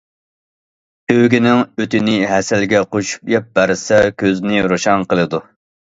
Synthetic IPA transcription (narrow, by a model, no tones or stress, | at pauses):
t̪ʰøwɡʲinɪŋøt̪ɪnɪɦɛsɛlɡʲɛqoʃu̥pjɛp̚bæɾsɛkʲʰøznɪɾoʃɑŋqəlˠɨd̪u